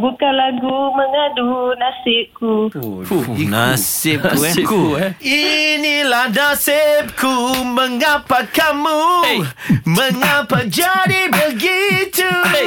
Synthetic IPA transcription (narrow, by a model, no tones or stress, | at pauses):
bukalaɡuməŋadunasɪku | nasɪp̚kuinilanasɪp̚kʰuməŋapakamu | məŋapad͡ʒadibəɡit̪u